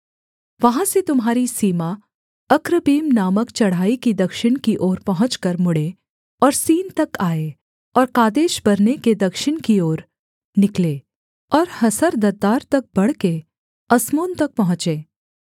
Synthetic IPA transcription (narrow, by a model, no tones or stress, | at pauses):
ʋɐɦãset̪ʊmɦaːɾisiːma | ɐkɾəbiːmnaːməkt͡ʃɐɽ̤aːikid̪ɐkʃɪnkiʔoːɾpɐɦʊ̃t͡ʃkɐɾmʊɽe | ɔːɾsiːnt̪ɐkaːe | ɔːɾkaːd̪eːʃbɐɾneked̪ɐkʃɪnkioːɾ | nɪkleː | ɔːɾhɐsəɾd̪ɐd̪aːɾt̪ɐk̚bɐɽ̤ke | ɐsmoːnt̪ɐk̚pɐɦʊ̃t͡ʃeː